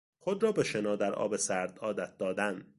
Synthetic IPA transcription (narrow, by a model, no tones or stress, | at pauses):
χod̪ɾɒːbeʃenɒːd̪æɾʔɒ̰ːbesæɾd̪ɒːd̪æt̪̚d̪ɒːd̪æn